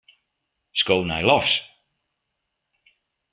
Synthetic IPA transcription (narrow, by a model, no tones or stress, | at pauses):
skownɛjlɔs